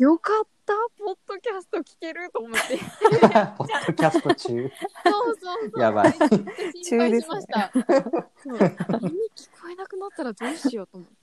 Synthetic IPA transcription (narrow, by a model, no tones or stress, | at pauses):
jo̞kat̪ːapot̪ːo̞kʲasɨ̥t̪okʲi̥keɾɯ̟t̪oːmot̪ːe | pot̪ːokʲast̪ot͡ɕɨː | jaba̰ | t͡ɕɨːd̪e̞se | iɲʲikʲi̥koe̞nakɯ̟nat̪ːaɾazeɕijot̪omo